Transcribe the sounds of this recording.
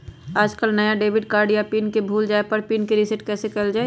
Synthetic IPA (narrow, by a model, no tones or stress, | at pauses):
aːd͡ʒkəlnɐjaɖeːbɪɖkaːɾɖjapiːnkebʱuːld͡ʒaːepəɾpiːnkeɾɪsɪʈkɛːsekɛld͡ʒaːe